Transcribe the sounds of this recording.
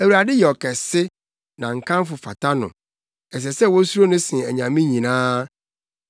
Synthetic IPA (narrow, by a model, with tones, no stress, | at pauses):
æ˨wu˨ɾa˨dɪ˦jɛ˨ɔ˨kʰɛ˨sɪ˦ | nã˨ŋ̩˨kʰã˦m˦fʊ˨fa̰˨ta˦nʊ̰̃˨ | ɛ˨s̬ɛ˨sɛ˦wɔ˦su˦ɾo˦nʊ̃˦sɪ̃˨æ˨ɲã˨mĩ˦ɲĩ˨nãː˦